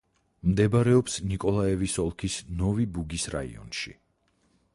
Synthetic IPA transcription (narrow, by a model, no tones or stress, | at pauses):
md̪ɛbaɾɛɔpsnikʼɔlˠaɛvisɔlˠkʰisnɔvibuɡisɾa̰ḭɔ̰nʃḭ